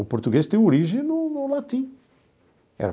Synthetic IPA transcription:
upoɾt̪uɣeʃt̪ẽj̃oɾiʒẽnʊnʊlat̪ĩ | ɛ̰ɾ

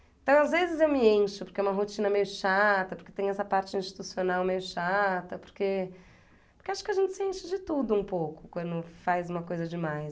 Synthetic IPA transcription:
ẽt̪ɐ̃w̃azvezɪzewmɪẽʃʊpoɾkeɛũmɐɦot͡ʃĩnɐmejʊʃat̪ɐpoɾket̪ẽɲ̃ʊ̃ɛsɐpaɾt͡ʃɪĩst͡ʃi̥t̪usionawmejʊʃat̪ɐpʊ̥ɾke | pʊɾkewaʃʊ̥kɪɐʒẽnt͡ʃɪ̥sɪẽʃɪd͡ʒɪt̪ud̪ʊũpowkʊ̥kwɐ̃nd̪ʊfajzũmɐkojzɐd͡ʒɪmaj

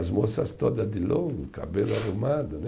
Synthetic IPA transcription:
zmosɐst̪od̪ɐd̪ɪloɡʊka̰belʊarumad̪ʊn

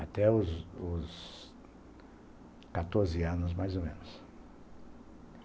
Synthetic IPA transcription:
at̪ɛʊzʊs | kat̪oɾzɪɐ̃nʊzmajzomḛ̃nʊs

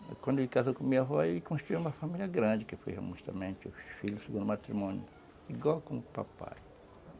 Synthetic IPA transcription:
kwɐ̃nd̪lɪkazowkõmĩɲɐvɔilkõʃt̪ɾuiũmɐfamilʲjɐɡɾɐ̃d͡ʒɪkɪfo̰jhḛmust̪ɐ̰mẽnt͡ʃɪʊsfiʎʊseɡũd̪ʊmat̪ɾimõnjʊ | iɡwawkõmʊpa̰pa̰j

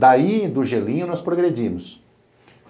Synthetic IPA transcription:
d̪aid̪ʊʒelĩɲʊnɔspɾoɡɾed͡ʒĩmʊs | f

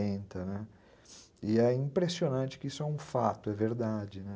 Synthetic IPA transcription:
ẽnt̪ɐnɛ | ɪɛĩpɾesionɐ̃t͡ʃɪ̥kɪisʊɛũfat̪ʊɛveɾd̪ad͡ʒɪnɛ

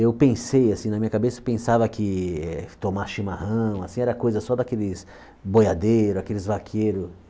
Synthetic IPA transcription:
ewpẽsejasĩnɐmĩɲɐkabesɐpẽsavɐkɪɛt̪omaʃimahɐ̃w̃asĩɛɾɐkojzɐsɔd̪akelɪs | bojad̪ejɾʊakelɪzvakʰeɾʊ

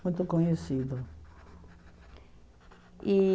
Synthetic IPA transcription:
ũj̃t̪ʊkõɲesid̪ʊ | i

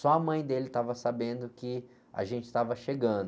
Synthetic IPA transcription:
sɔɐmɐ̃j̃d̪elɪt̪avɐsabẽnd̪ʊkɪ | a̰ʒẽnt͡ʃɪ̥st̪avɐʃeɡɐ̃d̪

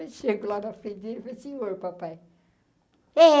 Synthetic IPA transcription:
ʃeɡʊlanɐfɾẽd̪elifɐjɐsĩoɾpapaj | ɛ

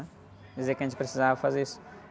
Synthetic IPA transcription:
ɛ | d͡ʒizeɐkɐʒẽt͡ʃɪpɾesizavɐfazeɾisʊ̥

